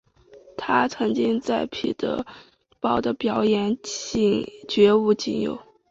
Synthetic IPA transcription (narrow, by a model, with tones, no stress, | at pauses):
t̪ʰa˥t͡sʰɤ˧˥ŋt͡ɕi˥ŋt͡sa˥˩ɪpʰḭ˨˩d̪̥ə̰˧˦ | pɑ˥˩ʊd̪ə˨pjɑ˧˥ʊjɛ˧˥ni˥˩ŋt͡ɕɥɛ˧˥u˥˧t͡ɕi˥˩ŋjo̰˨˩ʊ